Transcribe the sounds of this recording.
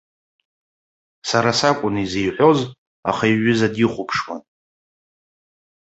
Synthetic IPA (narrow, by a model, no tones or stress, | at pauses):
saɾasakʷʼʊnizejħʷo̞z | a̰χaiɥʏzadiχʷʊpʰʂwa̰n